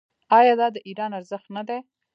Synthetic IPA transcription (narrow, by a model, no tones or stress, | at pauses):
ɑjɑd̪ɑd̪əʔiɾɑnaɾzəxt̪nad̪e